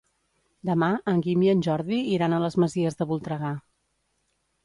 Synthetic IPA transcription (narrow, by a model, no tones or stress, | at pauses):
d̪əmaəŋɡimiənʲʒɔɾðiiɾanələzməziəzðəβulˠt̪ɾəɣa